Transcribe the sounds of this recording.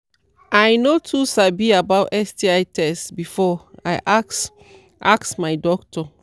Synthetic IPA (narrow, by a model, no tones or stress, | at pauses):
ʔajnotʰusabiabawtɛstiatʰɛstbifɔajʔaks | ʔaksmajdɔk̚tʰɔ